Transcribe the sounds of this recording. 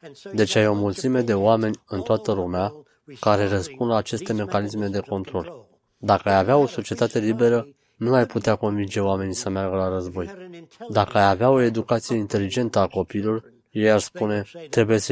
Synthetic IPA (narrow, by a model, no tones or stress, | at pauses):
d̪e̞t͡ʃeajeo̞mult̪sime̞d̪e̞oame̞nʲɨnt̪oat̪əlumea | kaɾe̞rəspund̪laːt͡ʃe̞st̪e̞me̞kanisme̞d̪e̞ko̞nt̪ɾo̞l | d̪akəajaveao̞so̞t͡ʃie̞t̪at̪e̞libe̞ɾə | nuajput̪eako̞nvind͡ʒe̞oame̞nisəmearɡəlaɾəzbo̞jd̪akəajaveao̞e̞d̪ukat̪sije̞int̪e̞lid͡ʒe̞nt̪əako̞piːlo̞r | jejarspune̞t̪ɾe̞buje̞s